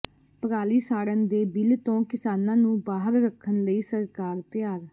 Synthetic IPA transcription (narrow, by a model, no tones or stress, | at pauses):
pəɾaːliːsaːɽənd̪eːbɪlt̪õːkɪsaːnãːnũːbaːɦəɾɾəkʰːənləiːsəɾkaːɾt̪ɪjaːɾ